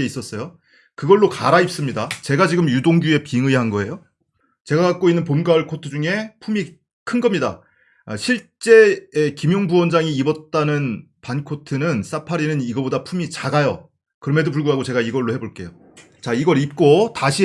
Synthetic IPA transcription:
eis͈ʌs͈ʌjo | kɯɡʌɭːoka̰ɾaip̚s͈ɯmɲidat͡ɕe̞ɡad͡ʑiɡɯmjudoŋɡue̞piŋɯiɦanɡʌe̞jo | t͡ɕe̞ɡakak͈oinːɯnpomɡaʌɭkʰotʰɯd͡ʑuŋe̞pʰumi | kʰɯnɡʌmɲida̰ | ɕʰiɭt͡ɕ͈e̞ːkimjoŋbuwʌnd͡ʑaŋiːbʌt̚t͈anɯn | pankʰotʰɯnɯns͈apʰaɾinɯniɡʌbodapʰumit͡ɕaɡajʌ | kɯɾʌme̞dop̬uɭɡuɦaɡot͡ɕe̞ɡaiɡʌɭːohe̞boɭk͈e̞jo | t͡ɕaiɡʌɾip̚k͈otaɕʰi

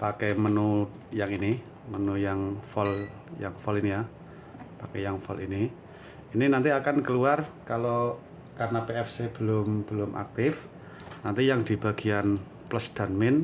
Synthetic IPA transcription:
pakɛmənu | jaŋini | mənujaŋfɔl | ja̰ŋfɔlinija | pakɛ̰jaŋfɔ̰lʔḭni | ininant̪iakankəluarkalo | karnapeɛfseb̥ə̤lʊmb̥əlʊmʔa̰k̚t̪ɪf | nant̪ijaŋd̪̥i̤b̥a̤ɡ̥ian | pləsd̪̥a̤nmɪn

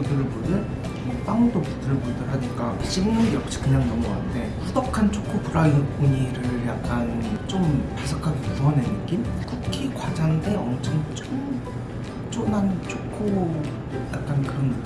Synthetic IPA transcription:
udɯɾɯɭbudɯn | mwʌp͈aŋdopid͈ɯɾɯɭbudɯɭɦaɲik͈aɕ͈ʰiɡɯmɯnjʌk̚ɕ͈i̥kɯɲaŋnʌmua̰nɯnde̞pudʌkʰant͡ɕʰokʰopuɾaiɯpʰoɲiɾɯɭjak̚k͈ant͡ɕ͈ompasʰakʰaɡepusʰʌnenɯɡinkukʰikwad͡ʑandeʌmt͡ɕʰʌŋt͡ɕ͈om | t͡ɕ͈onant͡ɕʰokʰo | jak̚k͈ankɯɾʌn

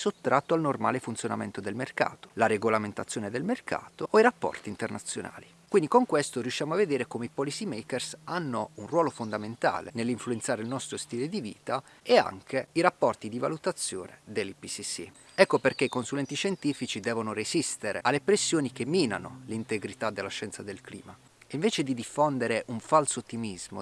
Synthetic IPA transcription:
sot̪ːɾat̪ːoalnorma̰ːlefunt̪sjona̰mḛnt̪od̪elmerka̰ːt̪o̥laɾeɡolament̪at̪sːjoːned̪elmerkʰa̰ːt̪ooiɾapːɔ̰rt̪int̪ernat̪sːjona̰ːli | kwind̪ikoŋkwest̪oɾjuʃːjaːmoavːed̪eːɾekomeipɔlisimejkersanːounrwɔːlofond̪ament̪a̰ːlḛnelːiɱfluent̪saːɾeilnɔst̪ɾost̪iːled̪ivḭːt̪a | ea̰ŋk̟eiɾapːɔrt̪id̪iva̰lut̪at̪sːjo̰ːned̪elːipisisḭ | ɛkːoperkeikonsulɛnt̪iʃent̪ifit͡ʃid̪ɛːvonorezist̪eɾḛalːepɾesːjoːnik̟emːiːna̰nolint̪eɡɾit̪ad̪ːelːaʃɛnt̪sad̪elklḭːma | iɱveːt͡ʃed̪id̪ifond̪eɾeʔuɱfalsoːt̪ːimizmo̰

